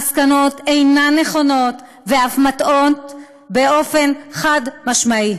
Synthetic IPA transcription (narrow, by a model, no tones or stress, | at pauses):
skano̞te̞jnanːe̞χo̞no̞t | veafmato̞t | be̞o̞fe̞nχadmaʃmai